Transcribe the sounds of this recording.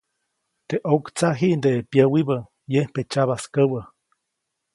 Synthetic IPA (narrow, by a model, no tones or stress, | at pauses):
t̪eʔokt͡saʔɦiʔnd̪epjəwibə | jehpet͡ʃaβaskəwə